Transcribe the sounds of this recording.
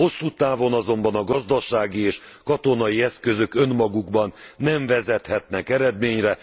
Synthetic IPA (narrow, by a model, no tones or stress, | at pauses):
o̞sːuːt̪aːvo̞nɒzo̞mbɒnɒɡɒzd̪ɒʃaːɡieːʃ | kɒt̪o̞nɒjiɛskø̞zø̞kø̞nmɒɡuɡbɒnːɛɱvɛzɛt̪hɛt̪nɛkɛɾɛd̪meːɲrɛ